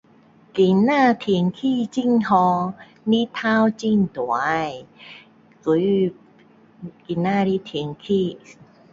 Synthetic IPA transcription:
ki˨˦nːaː˥˩t̪ʰi˨˦əŋkʰiː˥˩t͡ɕi˥˩ŋhɔː˧ | ni˦˥t̪ʰaː˦˥wt͡ɕi˧˥˩nt̪u˨a˨˦j | ku˨˦j | ki˨nːaː˥˩ɾi˧˥t̪ʰi˨˦əŋkʰiː˥˩

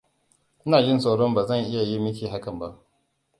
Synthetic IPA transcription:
ʔɪ˦naː˨jɪ˦nsa˦wɽɔ˦mbaː˨zɐ˦˨ŋʔɪ˦ja˨ji˦mɪ˦kʲiː˨ɦa˦kɐ˨mba˦ʔ

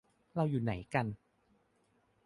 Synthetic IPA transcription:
ɾa˧wjuː˨˩na˩˦jka˧n

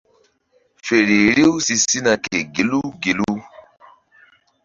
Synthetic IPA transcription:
fe˨ɾi˨ɾe˦u˦si˧si˦na˨ke˨ɡe˨lu˦ɡe˨lu˦

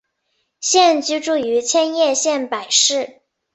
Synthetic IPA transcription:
ɕjɛ˥˩nt͡ɕy˥ʈ͡ʂu˥˩y˧˥t͡ɕʰjɛ˥njɛ˥˧ɕjɛ˥˩npa˨˩ɪʂɻ̩˥˩

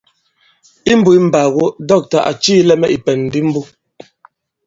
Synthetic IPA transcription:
i˦m̩˦bu˦˨i˦m̩˨ba˨ɣo˦dɔ˦˨k̚ta˨ʔa̰˨t͡ʃiː˦lɛ˦mɛ˦ʔi˨pɛ˨n̩ː˨di˦m̩˦bu˦

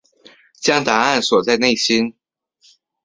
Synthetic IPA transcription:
t͡ɕjɑ˥ŋt̪a˧˥a˥˩nswɔ˨˩t͡sa˥˧ɪne˥˩ɪɕi˥n

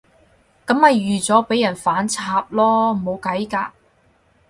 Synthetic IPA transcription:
kɐ˨˥mhɐ˨jːyː˨t͡sɔː˨˥pe˨˥jɐ˨˩nfaː˨˥nt͡sʰaː˧p̚lɔː˥mo˨˧wkɐ˨˥jkaː˧

